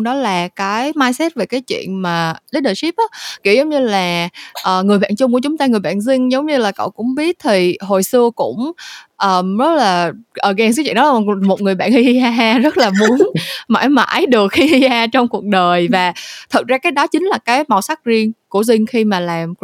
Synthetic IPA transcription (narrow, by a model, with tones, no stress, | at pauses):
ɗɔ˨˦laː˨˩kaː˨˦jmaː˧jsɛ˦˥t̚ve˨˩kaː˨˦jt͡ɕwḭ˧˨ənmaː˨˩ɗəː˨˦ɗəː˨˩si˦˥p̚ʔaː˨˦kḭ˧˩˨zə˨˦wŋ͡mɲɨ˧laː˨˩ʔəː˨˩ŋɨ˨˩jɓa̰ː˧˨nt͡ɕʊ˧ŋ͡mku˧˩ət͡ɕʊ˨˦ŋ͡mt̪aː˧ŋɨ˨˩əjɓa̰ː˧˨nzï˧ŋ̟zə˨˦wŋ͡mɲɨ˧laː˨˩kə̰˧˨wkʊ̰˧˥ŋ͡mɓi˦˥ət̚t̪ʰi˨˩ɦo˨˩jsɨ˧əkʊ̰˧˥ŋ͡mʔəː˨˩mzə˦˥t̚laː˨˩ʔəː˧˨˩ɣɛː˧˩swḭ˧˨nɗɔ˨˦˨mo˨˩t̚ŋ˨˩əjɓa̰ː˧˨nhi˧i˧haː˧ɦaː˧zə˦˥t̚laː˨˩mu˨˦ənma̰ː˧˥˩jma̰ː˧˥jɗɨ˨˩ək̚hi˧hi˧haː˧t͡ɕɔ˧wŋ͡mku˨˩ək̚ɗəː˨˩jvaː˨˩t̪ʰə˨˩t̚zaː˧kaː˨˦jɗɔ˨˦t͡ɕï˨˦ŋ̟laː˨˩kaː˨˦jma˨˩wsa˦˥k̚zi˧ənku˧˩əzï˧ŋ̟xi˧maː˨˩laː˨˩m